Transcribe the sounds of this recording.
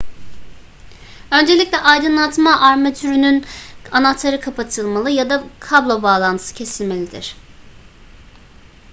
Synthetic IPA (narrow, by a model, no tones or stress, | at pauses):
ø̞nd͡ʒe̞lʲicʲlʲɛʔajd̪ɯnlˠat̪maʔaɾmat̪ʰyɾynynanat̪ʰaɾɯkʰapʰat̪ʰɯlˠmalˠɯjad̪akʰablˠobaːlˠant̪ʰɯ̥sɯcʰe̞silʲme̞lʲid̪iɾ̝̥